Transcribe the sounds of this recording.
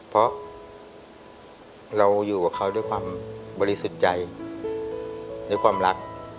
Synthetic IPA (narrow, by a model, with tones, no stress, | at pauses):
pʰɾɔ˦˥ | ɾa˧wjuː˨˩kaː˨˩kʰa˦˥˩wdu˥˩˨jkʰwaː˧mbɔː˧ɾi˦su˨˩t̪̚t͡ɕa˧j | daː˥˩˨jkʰwaː˧mɾa˦˥k̚